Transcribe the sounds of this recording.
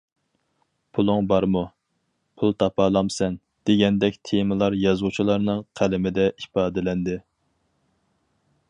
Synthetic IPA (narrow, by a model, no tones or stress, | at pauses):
pʰulˠʊŋbɑɾmu | pʰulˠt̪ʰɑpɑːlˠɑmsɛn | d̪̥eɡʲɛnd̪ɛkʲt̪ʰemɨlˠɑɾjɑzut͡ʃʰilˠɑɾnɨŋqʰælɪmɪd̪ɛʔipɑːd̪ɪlɛnd̪ɪ